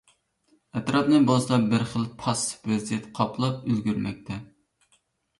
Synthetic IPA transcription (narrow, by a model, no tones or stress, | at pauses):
ɛt̪ɾɑpnɨbɑsˠɑbɪɾχəlˠpʰɑsvɛzijɛt̪qʰɑpʰlˠɑpølɡʲyɾmɛ̰k̚ʲt̪ʰɛ